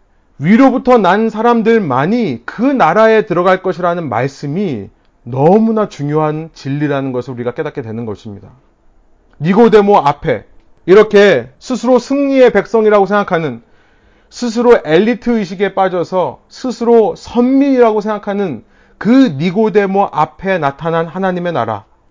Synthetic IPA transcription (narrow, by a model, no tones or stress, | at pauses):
ɥiɾobutʰʌnansʰaɾamdɯɭmaɲikɯnaɾae̞tɯɾʌɡaɭk͈ʌɕʰiɾanɯnma̰ɭs͈ɯmi | nʌmunat͡ɕuŋjoɦant͡ɕiʎːiɾanɯnɡʌsʰɯɭuɾiɡak͈e̞dak͈e̞dwe̞nɯnɡʌɕʰimɲida | niɡode̞moapʰe̞̰ | iɾʌkʰe̞sʰusʰɯɾosʰɯŋɲie̞pe̞k̚s͈ʌŋiɾaɡosʰe̞ŋɡakʰanɯn | sʰɯs̬ʰɯɾoʔe̞ʎːitʰɯɯɕ̬ʰiɡe̞p͈ad͡ʑʌsʰʌsʰɯsʰɯɾosʰʌnmiiɾaɡosʰe̞ŋɡakʰanɯn | kɯniɡode̞moʔapʰe̞natʰananhanaɲime̞na̰ɾa̰